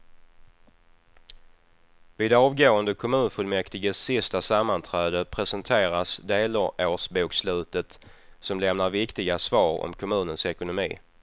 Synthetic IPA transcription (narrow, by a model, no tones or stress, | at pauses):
vɪːd̪ɛɑːvɡoːənd̪əkʰʊmʉ̟ːnfɵlmɛkt̪ɪɡəsɪst̪asamːant̪ʰɾɛːd̪əpʰɾɛsənt̪ʰeːɾasd̪eːləɾoːʂbuːkslʉ̟ːt̪ət̪sɔmlɛmnaɾvɪkt̪ɪɡasvɑːɾɔ̰mkʰʊmʉ̟ːnənsɛkʊnʊmḭː